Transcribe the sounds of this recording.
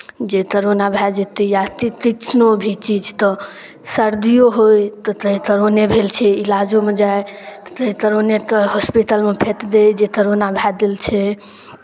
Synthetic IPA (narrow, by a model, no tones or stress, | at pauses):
d͡ʒek̪əɾonabʱad͡ʒet̪ijat̪it̪it͡ʃnobʱit͡ʃid͡ʒt̪ɔ | səɾd̪ijoɦojt̪ɔt̪əɦĩt̪əɾonebʱelt͡ʃʰɛilad͡ʒomed͡ʒaet̪ə̥t̪əɦĩt̪əɾonet̪əɦɔspiʈ̪əlmepʰet̪d̪ed͡ʒek̪əɾonabʱad̪elt͡ʃʰɛ